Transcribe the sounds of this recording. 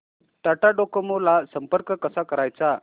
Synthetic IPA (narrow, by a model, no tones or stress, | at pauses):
ʈaʈaɖokəmolasəmpəɾkəkəsakəɾajt͡sa